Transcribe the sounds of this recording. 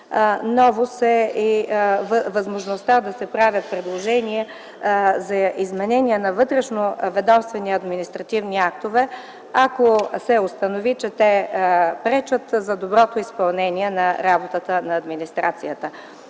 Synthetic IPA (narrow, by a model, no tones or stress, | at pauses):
nɔvosɛivvɐzmoʒnost̪ad̪ɐsɛpɾavʲjət̪̚pɾɛd̪lˠoʒɛniɛ | zɐʔizmɛnɛniɛnɐvɤt̪ɾɛʃnovɛd̪ɔmst̪vɛniɐd̪minist̪ɾɐt̪ivniak̚t̪ovɛ | akosɛʊst̪ɐnovit͡ʃɛt̪ɛpɾɛt͡ʃət̪zɐd̪obɾɔt̪oispɐlˠnɛnʲiɛnɐɾabot̪ət̪ənɐːd̪minist̪ɾat̪sijət̪ə